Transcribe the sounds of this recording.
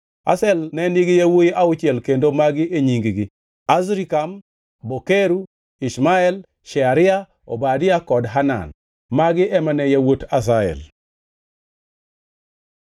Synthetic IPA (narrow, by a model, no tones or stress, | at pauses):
a̰sɛlnɛniɡijawojiʔaut͡ʃɪɛlkendomaɡɪʔeɲiŋɡiɡɪ | azɾikam | bokeɾu | ismaɛl | ʃɛaɾɪa | o̰badɪakɔdɦana̰n | maɡɪʔɛmanɛjawotas̬aɛ̰l